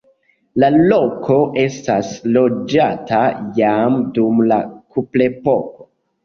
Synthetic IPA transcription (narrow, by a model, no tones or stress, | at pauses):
lalo̞kʰo̞ʔe̞staslo̞d͡ʒatʰajamdumla̰kʰuple̞po̞ko̥